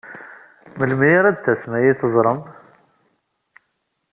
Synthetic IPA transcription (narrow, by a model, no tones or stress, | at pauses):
məlmjiɾˤæd̪θːæsmæjiθəzˤɾˤəm